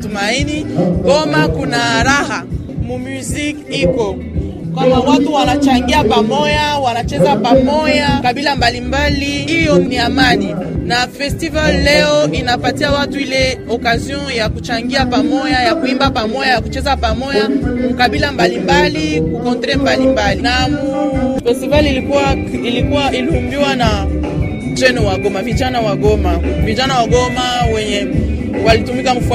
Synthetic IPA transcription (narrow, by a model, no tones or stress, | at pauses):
tumainikɔmakunaːɾaha | mumjuzikikɔ | kwambawatuwanat͡ʃaŋɡiapamɔjawanat͡ʃɛzapamɔjakaɓilambalimbaliijɔniamaninafɛstivallɛɔinapatiawatuilɛ | ɔkaziɔ̃jakut͡ʃaŋɡiapamɔjajakuimbapamɔjajakut͡ʃɛzapamɔjamukaɓilambalimbalikukɔ̃ntɾɛmbalimbalinamufɛstivalilikuwa | ilikuwailiumbiwana | t͡ʃɛnɔwaɡɔmavit͡ʃanawaɡɔmavit͡ʃanawaɡɔmawɛɲɛ | walitumikam̩f